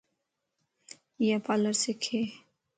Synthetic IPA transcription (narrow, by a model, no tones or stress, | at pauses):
japaləɾsekʰeː